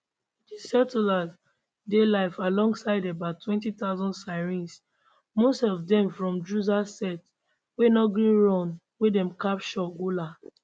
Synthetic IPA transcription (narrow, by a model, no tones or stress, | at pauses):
disɛtilaz | delaɪfalɔ̃ŋɡsaɪdɛbatʰwɛ̃ntitaʊzɔ̃ndsaɪɹĩns | mostɔvdɛ̃mfɹɔ̃md͡ʒuzasɛt | wenɔɡɹĩɹɔ̃n | wedɛ̃mkapʃɔɡula